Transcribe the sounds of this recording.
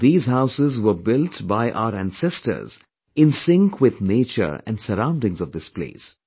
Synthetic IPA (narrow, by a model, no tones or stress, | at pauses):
d̪iːzɦaʊsɪzʋəbɪlʈbaɪʔa̰ʊəɾæ̃nsɛstə̰˞z̥ | ɪ̃nsɪ̃ŋkʰwɪd̪neːt͡ʃə̰ɾæ̰̃nsəɾãʊ̃nɖɪ̃ŋzɔvd̪ɪsplḛːs